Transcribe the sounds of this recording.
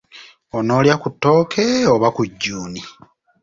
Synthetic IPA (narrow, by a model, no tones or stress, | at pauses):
o̞no̞ːljakutːo̞ːkʰeoβakuɟːuːni